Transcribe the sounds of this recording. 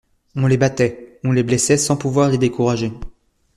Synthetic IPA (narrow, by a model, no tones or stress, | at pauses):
ɔ̃lebat̪ɛɔ̃leblɛsɛsɑ̃puvwaʁled̪ekuʁaʒe